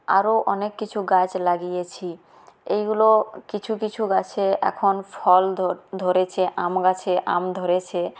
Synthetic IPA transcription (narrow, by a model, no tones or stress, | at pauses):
a̰ɾoʔɔnekːit͡ɕʰuɡat͡ɕlaɡijet͡ɕʰi | ejɡulokit͡ɕʰukit͡ɕʰuɡat͡ɕʰeɛ̰kʰonfʰɔlʱd̪ʱoɾet͡ɕʰeʔamɡat͡ɕʰeʔamd̪ʱoɾet͡ɕʰe